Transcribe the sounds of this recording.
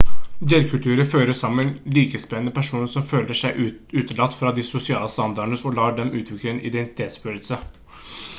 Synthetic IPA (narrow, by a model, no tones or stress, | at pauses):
d̪eːɾkʰʉlt̪ʰʉːɾəføːɾəsɑmːənliːkəspɛnənəpʰæʂuːnəʂsɔmføːləʂæɪʔʉːt̪əlɑt̪ːfɾɑd̪ɪsʊsɪɑ̰ːləst̪ɑnd̪ɑɖəɳəɔlɑːɖɛmʉːt̪ʰʋɪkləɛnʔɪ̰d̪ɛnt̪ɪ̥t̪ʰeːt̪sbøːləlsə